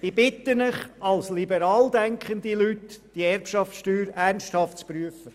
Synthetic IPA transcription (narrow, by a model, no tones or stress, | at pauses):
ib̥ɪt̪ːənəχɑlslibəɾɑːld̪æŋkχənd̪ilytd̥iɛrpʃɑft͡sʃtyːɾærnsthɑftt͡spɾyəfə